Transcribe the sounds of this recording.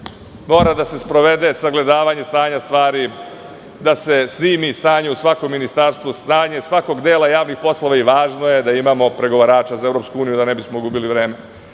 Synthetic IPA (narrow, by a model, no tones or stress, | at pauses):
mo̞ːɾad̪ase̞spɾo̞ʋe̞d̪e̞saɡle̞d̪aːʋaɲe̞st̪aːɲast̪ʋaːɾi | d̪ase̞sniːmist̪aːɲeusʋako̞mːinist̪aɾst̪ʋust̪aːɲe̞sʋako̞ɡd̪eːlˠajaːʋnixpo̞slˠo̞ʋaiʋaːʒnoje̞d̪aimamo̞pɾe̞ɡo̞ʋaɾaːt͡ʃazae̞vɾo̞ːpskuuːnijud̪ane̞bismoɡubiliʋɾe̞ːme̞